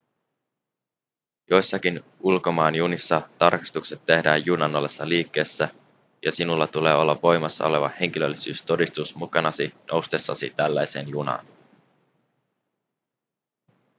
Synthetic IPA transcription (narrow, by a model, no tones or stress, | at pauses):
jo̞jsːɑkinʔulko̞mɑːnjunisːɑt̪ɑrki̥st̪ukse̞t̪ːe̞hdæːjjunɑnːolːe̞sːɑliːkːe̞ːsːæ | jɑsinulːɑt̪ule̞ːo̞lːɑʋʋo̞jmɑsːɑ̰o̞̰le̞ʋɑ̰he̞ŋ̟k̟ilølːisyːst̪o̞dist̪usmukɑnɑsinʔo̞wst̪e̞sːɑ̰sḭt̪ælːæjse̞̰ːnjunɑ̰ːn